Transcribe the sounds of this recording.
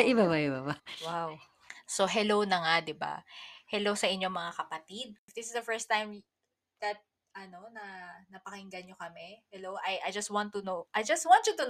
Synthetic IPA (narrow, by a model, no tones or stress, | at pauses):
ɪbabaʔɪbabawaw | soɦɛlownɐŋad̪ɪba̰hɛlowsɐʔɪɲːomɐŋakɐpɐt̪id̪̚ɪfd̪ɪsɪsd̪ɐfɛɹst̪ːajm | d̪̥ɐt̪̚ | ʔɐno̞nɐnɐpɐkɪŋɡɐnjokɐmɛhɛlowʔɐjʔɐjd͡ʒɐst̪̚wãnt̪ːʊnoʔɐjd͡ʒɐst̪want̪t͡ʃut̪ʊn